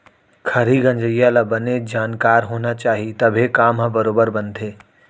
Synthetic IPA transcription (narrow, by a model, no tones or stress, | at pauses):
kʰɐɾiɡɐ̃ɲd͡ʒəjalabɐned͡ʒaːnkaːɾɦoːnat͡ʃaːɦiet̪ɐbʱekaːmɦãbɐɾoːbəɾbɐ̃nd̪ʱeː